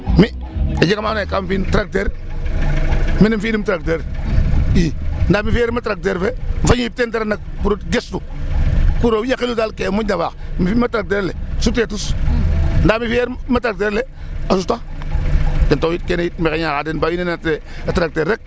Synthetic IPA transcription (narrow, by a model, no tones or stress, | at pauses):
mi | ad͡ʒikamanakamfintɾak̚teɾ | minifidimtɾak̚teɾ | indamifijeɾmatɾak̚teɾfeɱ̩faɲujip̚tenteɾanak̚puɾotɡestu | kuɾowjakiluzalkemunabakmiimatɾak̚t̬eɾlesutetus | ndaːmifieɾmatɾak̚teɾleasuta | dentowjitkenejit̚mekeɲakadenbawinenate | atɾak̚teɾːek̚